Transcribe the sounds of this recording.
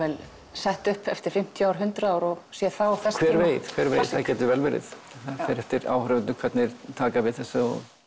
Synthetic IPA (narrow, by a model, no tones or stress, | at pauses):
ɛl | saht̪ʏhpɛft̪ɪɾ̥fɪm̥t̪ʰjawɾɦʏnt̪ɾaaːwɾɔɣsjɛðθawθskʰvɛːɾveːjðkʰvɛːɾvḛːjðθaðcɛːt̪ʏvɛlvɪɾɪ̰ð | θafɛɾɛft̪ɪɾa̰ːwhœɾʏvʏnnʏkʰvɛt̪nɪɾ̥t̪ʰaːkavɛðθɛsːʏɔ̰ɣ